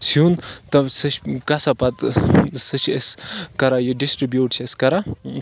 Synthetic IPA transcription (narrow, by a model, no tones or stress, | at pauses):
sjunt̪ɐsɨʃkɐsapɐt̪sɨt͡ʃʰeskɐɾajiɖisʈɾibjuːʈt͡ʃʰeskɐɾa